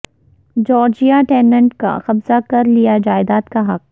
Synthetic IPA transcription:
d͡ʒɔːɾd͡ʒijaʈɛːnə̃ɳʈka̰xɐbzakɐɾlijad͡ʒaːɪd̪aːt̪kaɦɐq̚

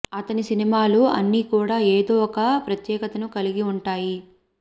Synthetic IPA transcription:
ɐt̪ɐnisinimaːluɐ̰nːiːkuːɽaːeːd̪oːɔkɐpɾɐt̪jɛːkɐt̪ɐnukɐliɡiuɳʈaːji

